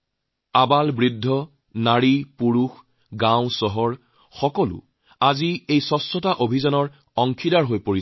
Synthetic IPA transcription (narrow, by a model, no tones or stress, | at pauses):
abalbɹidʱːɔ | naɹipuɹux | ɡãʊ̃sɔɦɔɹ | xɔkɔlʊ̰ | aziejsɔsːɔtaʔobʱizanɔɹ | ɔŋkʰidaɹɦojpoɹi